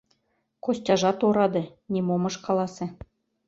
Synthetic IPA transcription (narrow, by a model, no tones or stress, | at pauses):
kosʲtʲɑʒɑt̪oɾɑd̪ɤ̆ | nʲimomɤ̆ʃkɑlˠɑsĕ